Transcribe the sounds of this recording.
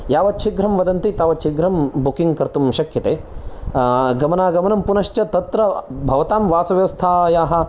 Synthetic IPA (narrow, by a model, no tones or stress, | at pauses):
jaːʋɐt͡ʃʰiɡɾɐmʋɐd̪ɐnt̪it̪aːʋɐt͡ʃʰiɡɾɐmbukiŋɡkɐɾt̪umʃɐkʰjɐt̪eː | ɡɐmɐnaːɡɐmɐnɐmpunɐʃt͡ʃɐt̪ɐt̪ɾɐbʱɐʋɐt̪aːmʋaːsɐʋjɐʋɐst̪ʰaːjaːɦɐ̆